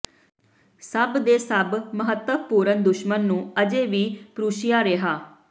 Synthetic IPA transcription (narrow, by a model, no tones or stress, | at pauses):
səbd̪eːsəbməɦət̪wəpuːɾənd̪ʊʃmənːũːəd͡ʒeːʋiːpɾuːʃɪjaːɾeɦaː